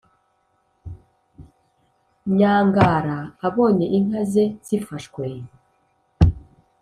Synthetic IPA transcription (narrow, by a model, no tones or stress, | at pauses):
ɲaːŋɡaːɾaːβo̞ːɲe̞ʔiŋ̥azezifaʃkwe